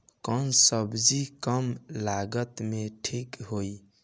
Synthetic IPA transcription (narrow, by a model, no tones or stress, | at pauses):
kənsəbd͡ʒikəmlaɡət̪meʈʰikɦoj